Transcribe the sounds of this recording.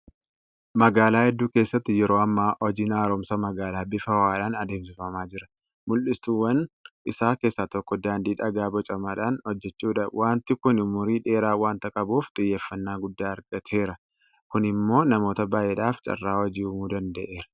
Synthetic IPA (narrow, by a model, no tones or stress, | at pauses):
mɐɡaːlaːhɛd̪ːuːke̞ːsːɐt̪ːɪjɛɾo̞ːɐmːaːʔɔd͡ʒinaːɾɔːmsɐmɐɡaːlaːbɪfɐwaːᶑaːnɐd̪eːmsɪfɐmaːd͡ʒɪɾɐ | mʊlʔɪst̪uːwːɐnɪsaːke̞ːsːaːt̪ɔkːɔd̪aːnd̪iːᶑɐɡaːbɔt͡ʃʼɐmaːᶑaːnhɔd͡ʒːɛt͡ʃːuːᶑɐwʔaːnt̪ɪkʊnɪmʊɾiːᶑe̞ːɾaːwaːnt̪ɐkʼɐbuːft̪ʼɪjːeːfːɐnːaːɡʊd̪ːaːɐɾɡɐt̪ʰe̞ːɾɐ | kʊnɪmːo̞ːnɐmo̞ːt̪ɐbaːjɛᶑaːft͡ʃʼɐ̰rːaːwɔd͡ʒiːʊmuːd̪ɐnd̪ɐʔe̞ːɾɐ̥